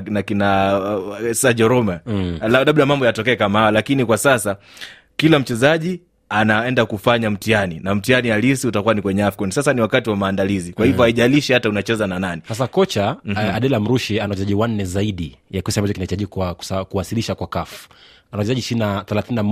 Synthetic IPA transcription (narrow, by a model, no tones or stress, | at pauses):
nakina | saʄɔɾɔmalalaɓ̚ɗamambɔjatɔkɛɛkamahajalakinikwasasa | kilam̩t͡ʃɛzaʄi | anaɛndakufaɲam̩tianinam̩tianialisiutakuwanikwɛɲɛafkɔnsasaniwakatiwamaːndalizikwahivɔaiʄaliʃɛhataunat͡ʃɛzanananisasakɔt͡ʃaaɗɛlam̩ɾuʃianawat͡ʃɛzaʄiwan̩nɛzaiɗijakɔsiambat͡ʃɔkinahitaʄikwḁkuwasiliʃakwakafu̥ | anawat͡ʃɛzaʄiʃinaθɛlaθininam